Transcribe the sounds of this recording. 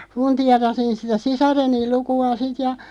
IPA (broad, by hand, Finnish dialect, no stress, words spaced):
funtiɑrɑsin sitæ sisɑrenil̆ lukuɑ sit jɑ